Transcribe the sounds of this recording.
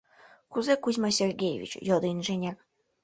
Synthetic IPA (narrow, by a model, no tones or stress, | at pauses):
kuzekuzʲmɑsʲerɡʲejḛvʲḭt͡ɕjod̪inʒenʲæk